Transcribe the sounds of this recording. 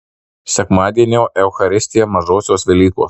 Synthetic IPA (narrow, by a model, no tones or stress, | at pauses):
sʲɛkmɑːd̪ʲiɛnʲoːʔɛʊxɐɾʲɪsʲt̪ʲɪjɛmɐʒoːsʲoːsʋʲɛlʲiːko̰ːs